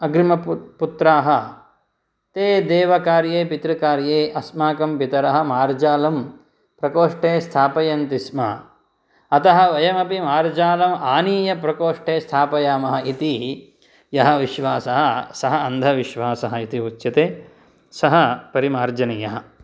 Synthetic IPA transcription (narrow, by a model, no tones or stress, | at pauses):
ɐɡɾimɐpput̪ɾaːɦɐ̆ | t̪eːd̪eːʋɐkaːɾjeːpit̪ɾɐkaːɾjeːʔɐsmaːkɐmpit̪ɐɾɐɦɐ̆maːɾd͡ʒaːlɐm | pɾɐkoːʂʈeːst̪ʰaːpɐjɐnt̪ismɐ̰ | ɐt̪ɐɦɐ̆ʋɐjɐmɐpimaːɾd͡ʒaːlɐmaːniːjɐpɾɐkoːʂʈeːst̪ʰaːpɐjaːmɐɦɐit̪i | jɐɦɐ̆ʋiʃʋaːsɐɦɐsɐɦɐɐnd̪ʱɐʋiʃʋaːsɐɦɐit̪iutːʃɐt̪eː | sɐɦɐpɐɾimaːɾd͡ʒɐnijɐɦɐ̆